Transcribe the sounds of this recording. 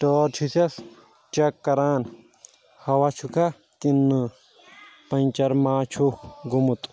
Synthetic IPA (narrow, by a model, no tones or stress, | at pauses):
ʈoːɾt͡ʃʰisɐs | t͡ʃɐkːɐɾaːn | hɐwat͡ʃʰukʰɐ | t̪inːɨ | pɐnt͡ʃɐɾmaːt͡ʃʰuxɡumut̪